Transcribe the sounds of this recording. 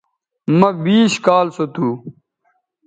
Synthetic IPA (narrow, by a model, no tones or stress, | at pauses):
mɐbiːɕkaːlsot̪ʰuː